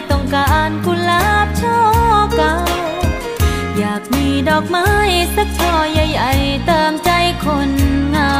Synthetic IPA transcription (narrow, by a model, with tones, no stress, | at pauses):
t̪ɔ˧˩ŋkaː˧ʔaː˧˩nku˧nla˧ha˧˩p̚t͡ɕʰɔː˥˩ka˧˥w | jaː˨˩k̚miː˧˩dɔː˨˩k̚ma˧˥jsa˧˥k̚t̪ʰɔː˧˩ja˧jʔa˧˩jt̪ɤː˧˩mt͡ɕa˧jkʰo˧nŋaː˧